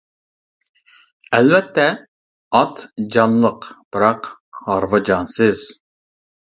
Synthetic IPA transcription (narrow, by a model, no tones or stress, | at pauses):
ɛlvɛt̪ʰːɛ | ɑt̪d͡ʒɑnlˠəqb̥ɨɾɑqhɑɾvɑd͡ʒɑnsɨz̥